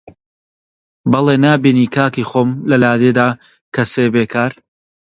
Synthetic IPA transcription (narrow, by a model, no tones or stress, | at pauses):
bɐlˠeːnaːbiːniːkʰaːkixoːmlɐlaːd̪ed̪aː | kɐseːbeːkʰaːɾ